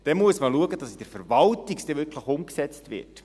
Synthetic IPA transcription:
d̥ɛmuəsməluəɡəd̥ɑsid̥əɾfɛɾvɑltikstɛvɪɾkʰləχʊmksɛt͡stvɪ̰t

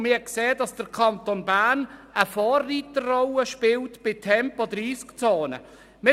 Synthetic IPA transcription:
mɪːkseːdɑsd̥əɾkʰɑntonbæːrnəfɔːrːiːtərrɔwəʃpɪltb̥ɪtʰɛmpodriːskt͡soːnə̰ | mɪ

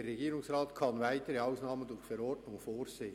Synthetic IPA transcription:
erɛɡiːɾʊŋsrɑːtkʰɑnvæɪtəɾəɑʊsnɑːməndʊçfɛɾɔrdnʊŋfoːɾseːə

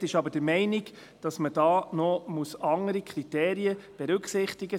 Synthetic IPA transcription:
tɪʃɑbəɾd̥əɾmɛɪnɪɡ | d̥ɑsməd̥ɑːnɔmusɑŋəɾikʰɾit̪eːɾiəb̥ɛɾʉksɪχtɪɡə

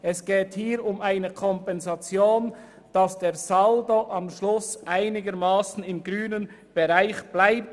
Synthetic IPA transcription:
ɛsɡ̥eːthiːɾʊmaɪnəkʰɔmpɛnzɑt͡sjoːn | d̥ɑsd̥eːʁzaldoʔɑmʃlʊsʔaɪnɪɡəɾmaːsn̩ɪmɡʁyːnən | b̥eʁaɪçb̥laɪp̚t

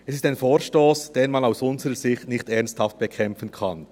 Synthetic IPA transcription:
ɛsɪstaɪnfoːɾʃtoːsd̥eːnmɑnaʊsʊnzəʁəz̥ɪxtnɪçtɛʁnsthɑft̚b̥ɛkʰɛmfənkʰɑn

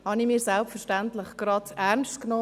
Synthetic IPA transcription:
hɑnimiːɾsɛlpfəɾʃtæntləχɡ̥ɾɑdæɾnʃtknɔː

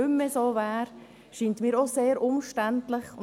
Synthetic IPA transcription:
ʏmːəsoːvæːɾ | ʃiːntmiːɾoseːɾʔʊmʃtæntləχʊn

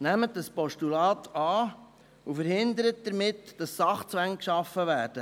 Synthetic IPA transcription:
næmət̚dəspɔʃtulɑːt̪ɑː | ufəɾhɪnd̪əɾət̚d̥̪əɾmɪtd̥ɑsːɑχt͡sʋæŋkʃɑfːəʋæːɾd̥ə

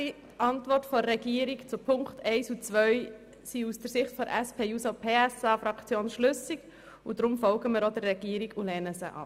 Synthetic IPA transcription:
i | ʔɑntʋɔrtfɔːɛɡiəɾikt͡sʊpʰʊŋkχtʰɛɪsut͡sʋœʏ | siusd̥əɾsɪχtfɔɾʔɛspʰeːjusɔpʰeːɛsɑːfɾɑkt͡sjoːnʃlʏsiɡ̥ | ud̥ɾʊmfɔlɡəmɪɾodərːɛɡ̥iːɾiɡulɛːnəsəʔɑ̰

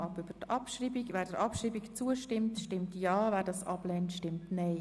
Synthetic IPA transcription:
ɑpʏbəɾtɑpʃriːbiɡʋɛːɾdəɾʔɑpʃɾiːbikt͡suəʃtɪmtʃtɪmtjɑːvæːɾdɑsʔɑblɛːntʃtɪmtnɛɪ

